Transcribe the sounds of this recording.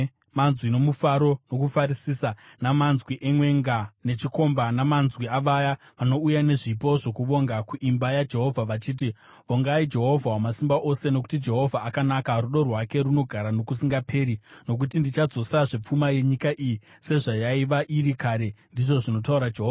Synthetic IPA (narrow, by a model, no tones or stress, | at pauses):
manzwino̞mufaɾo̞no̞kufaɾisisanamanzwiʔemwe̞ŋɡane̞t͡ʃiko̞mbanamanzwiaʋaja | ʋano̞ujane̞ʐipo̞ʐo̞kuʋo̞ŋɡakuʔimbajad͡ʒe̞ɦo̞vʱaʋat͡ʃiːt̬i | ʋoŋɡaid͡ʒe̞ɦo̞vʱawomasimbaʔo̞se̞no̞ku̥tid͡ʒe̞ɦo̞vʱaːkanakaruɗo̞rwake̞ɾuno̞ɡʱaɾanokusiŋɡapʰe̞ːɾino̞k̬utindit͡ʃad͡zo̞saʐe̞p͡fumaje̞ɲikaʔiji | se̞ʐajaiʋaʔiɾikaɾe̞ndiʐo̞ʐino̞t̬auɾad͡ʒeɦoːva